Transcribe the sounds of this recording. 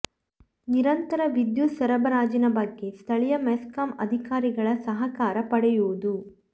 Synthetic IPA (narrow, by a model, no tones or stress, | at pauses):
niɾɐnt̪ɐɾɐʋid̪jusɐɾɐbɐɾaːd͡ʒinɐbɐɡːe̞st̪ʰɐɭijɐmeskɐmɐ̰d̪ʱikaːɾiɡɐɭɐsɐɦɐkaːɾɐpɐɽɛjuːud̪u